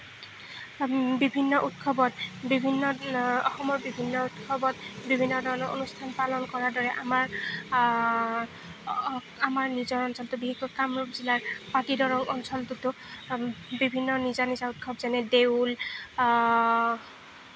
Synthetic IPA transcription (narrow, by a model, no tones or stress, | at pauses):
bibʱinːɔʔutkʰɔbɔtbibʱinːɔɔxɔmɔɹbibʱinːɔutkʰɔbɔtbibʱinːɔdɔɹɔnɔʔo̰nustʰanpalɔnkɔɹaɹdɔɹɛʔamaɹ | amaɹnizɔɹɔnsɔltʊbiɦeɡɹɔkamɹupzilaɹpatidɔɹɔŋɔnsɔltʊtʊ | bibʱinːɔnizanizaut̚kʰɔbzɛnɛdeʊl